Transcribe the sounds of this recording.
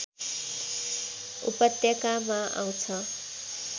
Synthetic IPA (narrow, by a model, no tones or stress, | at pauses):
ṵpʌt̪jʌkamaʔa̰w̃t͡sʰʌ